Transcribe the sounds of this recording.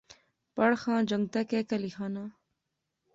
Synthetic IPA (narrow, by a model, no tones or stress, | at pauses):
pɐɽxãːd͡ʑɐŋɡ̚t̪ekekɐlixaːnaː